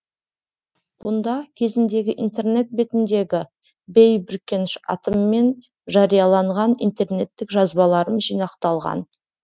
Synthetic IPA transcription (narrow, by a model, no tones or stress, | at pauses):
b̥ʊnd̪ɑkʲʰe̞zɪnd̪e̞ɡʲɪʔint̪e̞rne̞t̪̚be̞t̪ɪnd̪e̞ɡʲɪ | bejbʏɾkʲːe̞nɪʃɑ̰t̪əmːe̞n | ʒɑɾijɑlˠɑɴʁɑnḭnt̪e̞rne̞t̪ːɪkʒɑzbɑlˠɑɾəmʒijnɑqt̪ɑlˠʁɑ̰n